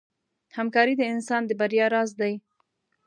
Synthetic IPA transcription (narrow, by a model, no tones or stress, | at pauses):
hamkɑɾid̪əɪnsɑnd̪əbaɾjɑɾɑzd̪aj